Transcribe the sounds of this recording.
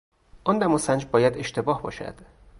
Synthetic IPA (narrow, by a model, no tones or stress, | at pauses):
ʔɒnd̪æmɒsænd͡ʒbɒːjæd̪e̞ʃt̪e̞bɒːhbɒ̰ːʃæ̰d̪̥